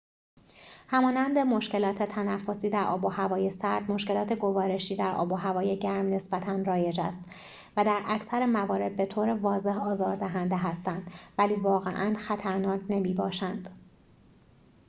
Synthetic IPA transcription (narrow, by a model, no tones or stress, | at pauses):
hæmɒːnænd̪e̞mo̞ʃce̞lɒːt̪ʰe̞t̪ʰænæfːo̞siːd̪æɾʔɒ̰ːbohævɒːjesæɾd̪mo̞ʃce̞lɒːt̪ʰe̞ɡo̞vɒːɾe̞ʃiːd̪æɾʔɒ̰ːboɦævɒːjeɟæɾmne̞sbæt̪ʰænrɒːje̞d͡ʒæst̪ | væd̪æɾæcʰsæɾemævɒːɾe̞d̪̚be̞t̪ʰoːɾevɒːze̞ɦɒːzɒːɾd̪æɦænd̪eɦæst̪ænd̪̥væliːvɒːɣḛʔænxæt̪ʰæɾnɒːcʰnemiːbɒːʃænd̪̥